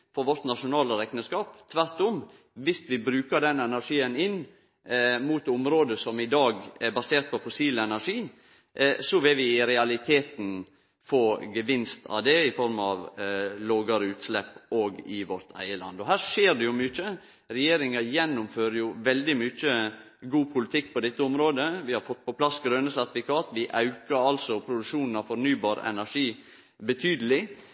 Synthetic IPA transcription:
fɔɾʋɔɾt̪nɑʂʊnɑːləɾɛknəskɑːpt̪ʰʋæɾt̪ʊm | ʋɪst̪ʋɪbɾʉːkəɾɖɛnɛnæɾʂiːənɪn | mut̪ʊmɾoːd̪əsɔmɪd̪ɑːɡɛbɑseːɾt̪̚pʰɔfʊsiːlɛnæɾʂiː | sɔʋɪʋɪɾɛɑlɪt̪ʰeːt̪n̩ | fɔɡəʋɪnst̪ʰɑ̰ʋd̪ɛɪfɔɾmɑʋloːɡəɾʉːt̪slɛpːoːɡɪʋɔɾt̪ʰæ̰ɪəlɑ̰nd̪ɔɦæːɾʂeːɾɖ̪ɛjʊmʏt͡ʃːə | ɾɛjeːɾɪŋɑjɛnːʊmføːɾəjʊʋɛld̪ɪmʏt͡ʃːə | ɡuːpʰʊlɪt̪ʰɪkːpʰɔd̪ɛt̪ːəʊmɾoːd̪əʋɪhɑɾfɔt̪̚ːpʰɔpʰlɑsɡɾøːnəsæɾt̪fɪkʰɑːt̪ʋɪʔɑʉkəɾɑlsɔpʰɾʊd̪ʉkʂuːnn̩ɑʋfɔɾnyːbɑːɾ̰ɛ̰næʂiː | bət̪ʰyːd̪əlɪ

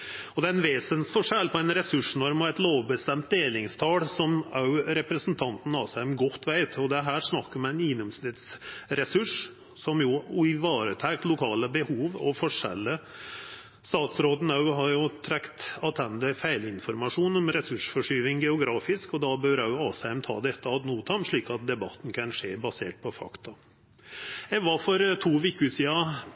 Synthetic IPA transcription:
ɔd̪ɛæɾɛnʋeːsənsfɔʂɛlpʰɔæɪnɾɛsʉʂnɔɾmɑɛt̪loːʋbəst̪ɛmt̪̚d̪eːlɪŋst̪ʰɑːɽsɔmɑʉɾɛpɾəsənt̪ʰɑnt̪n̩ɑsɛmɡɔt̪ːʋæɪt̪ʰɔd̪ɛɦæːɾʂnɑkːəɾmɛæɪnɪŋnɔmsnɪt̪sɾɛsʉʂ | sɔmjʊɪʋɑːɾət̪ʰæːk̚t̪lʊkʰɑːləbəhuːʋɔ̰fɔʂɛ̰lːə | st̪ɑːt̪sɾoːd̪nɑʉɦɑɾjʊt̪ʰɾɛkt̪ɑt̪ʰɛnd̪əfæɪlɪnfɔɾmɑʂuːnɔmɾɛsʉʂfɔʂyːʋɪŋɡɛʊɡɾɑːfɪskɔd̪ɑbøːɾɑʉɑːshæɪmt̪ʰɑ̰ːd̪ɛt̪ːəɑt̪nuːt̪ʰɑmʂɭiːkɑt̪̚d̪ɛbɑ̰t̪ːn̩kʰɑnʂeːbɑsḛːʈ̚pʰɔfɑ̰kt̪ɑ | ɛʋɑfɔɾt̪ʰuːʋɪkːʉsiːɑ

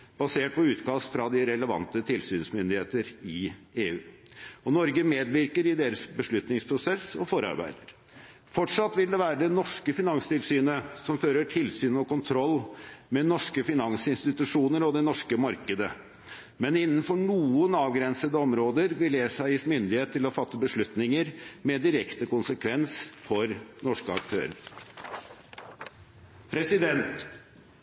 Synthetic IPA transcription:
b̥ɑseːʈ̚pʰɔʉːt̪kɑːsfɾɑd̪ɪɾɛləʋɑ̰nt̪ət̪ʰɪlsyːnsmʏnd̪ɪheːt̪əɾɪeːʉː | ɔnɔɾɡəmeːd̪ʋɪɾkəɾɪd̪eːɾəsbəʂɭʉt̪nɪŋspʰɾʊsɛsɔfɔɾəɑ̰ɾbæ̰ɪd̪əɾ | fɔʈʂɑt̪ːʋɪld̪ɛʋæːɾəd̪ɛnɔʂkəfɪnɑŋst̪ʰɪlsyːnəsɔmføːɾəʈʰɪlsyːnɔkʊnt̪ʰɾɔlːmɛnɔʂkəfɪnɑŋsɪnst̪ɪt̪ʉʂuːnəɾɔd̪ɛnɔʂkəmɑɾkəd̪ə | mɛnɪnːnfɔɳuːənɑːʋɡɾɛnsəd̪əɔmɾoːd̪əɾʋɪljesæɪɪsmʏnd̪ɪheːt̪ʰːɪlɔfɑt̪ːəbəʂɭʉt̪nɪŋəɾmɛd̪ɪɾɛkt̪əkʊnsəkʰʋɛnsfɔɾnɔʂkəɑ̰kt̪ʰø̰ːɾə̰ɾ | pʰɾɛsɪd̪ɛnt̪

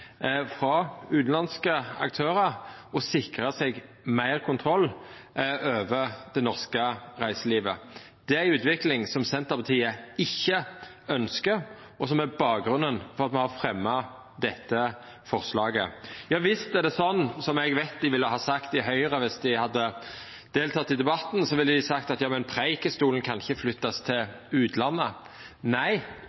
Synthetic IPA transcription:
fɾɑʉːt̪n̩lɑnskəɑ̰k̚t̪ʰøːɾəɾɔsɪkɾəsɛɡ | mæɪʁkʰʊnt̪ʰɾɔlː | øːʋəʁd̪̥ɛnɔʁskəʁæɪsəliːʋə | d̪̥ɛæʉːt̪ʋɪklɪŋsɔmsɛnt̪əɾpɑt̪ʰiːəɪçːə | œnskəɾ | ʔɔsɔmæbɑːk̚ɡɾʉnənfɔʁɑt̪mɛnhɑfɾɛmːɑ | d̪ɛt̪ːə | fɔʁslɑːɡəjɑːʋɪst̪æɾd̪ɛsɔnːsɔmɛɡʋæɪt̪̚d̪ɪʋɪlːəhɑːsɑkt̪ɪɦœʏʁəʋɪsd̪ɪhɑd̪ːə | d̪̥eːlt̪ʰɑt̪ːɪd̪ɛbɑt̪ːn̩sɔʋɪlːəd̪ɪsɑkt̪ɑt̪jɑːmɛnpʰɾeɪkəst̪uːlən̩kʰɑnɪçəflʏt̪ːɑst̪ʰɪl | ʉːt̪lɑnːə | næɪ

